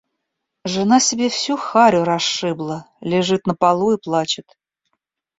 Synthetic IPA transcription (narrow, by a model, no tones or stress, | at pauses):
ʐɨnasʲɪbʲefsʲuxaɾʲʊɾɐʂɨblˠə | lʲɪʐɨt̪nəpalˠuiplˠat͡ɕɪt̪